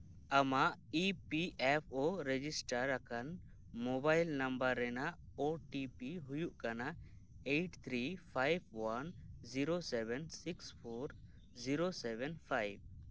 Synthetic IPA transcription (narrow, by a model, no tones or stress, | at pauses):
əmaʔipiʔɛpʰoɾɛd͡ʒisʈaɾakan | mɔbajlnambəɾːɛnaʔ | oʈipiɦujuʔkana | ejʈt̪ʰɾipʰajb̚wanziɾosɛbɛnsikspʰɔɾ | ziɾosɛbɛnpʰajb̚